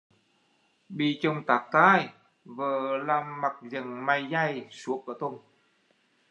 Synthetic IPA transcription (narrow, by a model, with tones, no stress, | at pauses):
ɓi˧˨t͡ɕə˧˩wŋ͡mt̪aː˨˩k̚t̪aː˧j | vəː˨˩laː˧˩mːa˨˩k̚zə˨˩ŋma˧˩jza˧jsu˨˦əkəː˧˩t̪o˧˩ŋ͡m